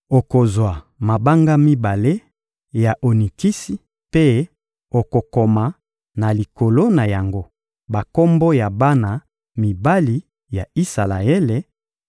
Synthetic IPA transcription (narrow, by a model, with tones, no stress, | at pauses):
o˨ko˨zwa˨ | ma˨ba˦ŋɡa˦mi˦ba˨le˦ | ja˨ʔo˨ni˨ki˦si˦ | pe˦ | o˨ko˨ko˨ma˨ | na˨li˨ko˨lo˦na˨ja˨ŋɡo˦ | ba˨ko˦mbo˦ja˨ba˦na˨ | mi˨ba˦li˦ | ja˨i˦sa˨la̰˨ɛ˦le˨